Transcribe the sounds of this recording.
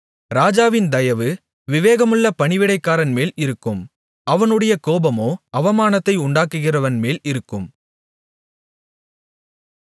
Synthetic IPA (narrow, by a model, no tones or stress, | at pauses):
ɾaːd͡ʒaːʋɪnd̪ɐjɐʋɯ | ʋɪʋeːɣɐmɯɭːɐpɐɳɪʋɪɽɐɪkːaːɾɐnmeːlɪɾɯkːɯm | ʔɐʋɐnɯɽɐjɐkoːbɐmoːʔɐʋɐmaːnɐt̪ːɐɪʊɳɖaːkːɯɣɪrɐʋɐnmeːlɪɾɯkːɯm